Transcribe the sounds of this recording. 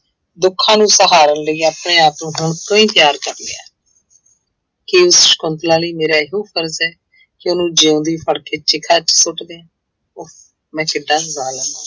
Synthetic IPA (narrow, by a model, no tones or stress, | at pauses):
d̪ʊkʰːãːnũːsəɦaːɾənləiːəpɳẽːaːpnũːɦʊɳkəĩːt̪ɪjaːɾkəɾlḛa̰ː | keːʊsʃkʊnt̪lãːliːmeːɾaːɪɦõːpʰəɾzɛː | kɪʊnũːd͡ʒeːʊ̃nd̪iːpʰəɽkeːt͡ʃɪkʰaːt͡ʃsʊʈd̪ẽː | oː | mɛ̃ːkɪɖːãːzãːlə̃ːd̪aː